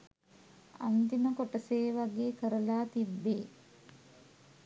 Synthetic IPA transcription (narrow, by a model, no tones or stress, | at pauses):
a̰nt̪inəkoʈəseːʋaɡeːkəɾəlaːt̪ibːeː